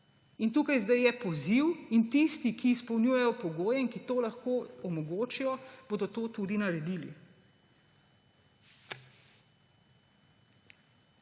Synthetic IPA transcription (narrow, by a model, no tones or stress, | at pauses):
int̪uːkajzd̪ajjɛpɔziwint̪ist̪ikiːspɔwnʲjujɛjɔpɔɡoːjɛinkit̪oːlɐxkoːɔmɔɡoːt͡ʃijɔb̥oːd̪ɔt̪oːt̪ud̪inɐɾɛd̪iːlḭ